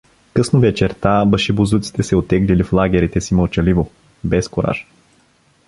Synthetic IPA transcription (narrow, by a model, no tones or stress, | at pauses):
kɤsnovɛt͡ʃɛɾt̪abəʃibuzut̪si̥t̪ɛsɛot̪ːɛɡliliflˠaɡʲɛɾit̪ɛsiməlˠt͡ʃɐlivo | bɛskoɾa̰ʃ